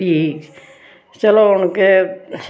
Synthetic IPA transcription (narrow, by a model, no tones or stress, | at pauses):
iː | selonke